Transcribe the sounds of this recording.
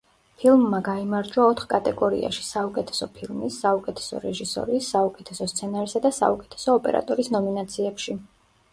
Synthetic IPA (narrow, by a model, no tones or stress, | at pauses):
pʰilˠmːaɡaimaɾd͡ʒwaɔt̪ʰχkʼat̪ʼɛɡɔɾḭa̰ʃi̥saukʼɛt̪ʰɛ̥sɔpʰilˠmisːaukʼɛt̪ʰɛ̥sɔ̰ɾɛʒisɔ̰ɾiːsːaukʼɛt̪ʰɛsɔst̪sʰɛnaɾsad̪asa̰ukʼɛ̥t̪ʰɛ̥sɔːpʼɛ̰ɾa̰t̪ʼɔɾisnɔminat̪sʰiɛpʃi